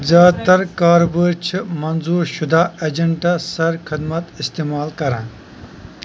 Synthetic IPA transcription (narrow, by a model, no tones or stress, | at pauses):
zaːt̪ɐɾkaːɾbəɾt͡ʃʰimɐnzuːɾʃud̪aːed͡ʒɐɳʈasɐɾkʰid̪mɐt̪ist̪eːmaːlkɐɾãː